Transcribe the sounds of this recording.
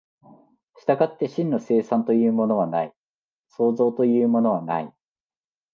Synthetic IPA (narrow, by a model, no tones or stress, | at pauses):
ɕi̥t̪aɡat̪ːe̞ɕĩnːo̞se̞ːsãnt̪o̞jɯ̟ːmo̞no̞β̞anai | so̞ːzo̞ːt̪o̞jɯ̟ːmo̞no̞β̞ana̰i